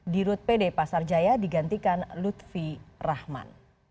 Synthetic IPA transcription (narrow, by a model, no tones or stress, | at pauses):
diɾʊt̪̚pedepasard͡ʒajadiɡant̪ikanlut̪̚firahma̰n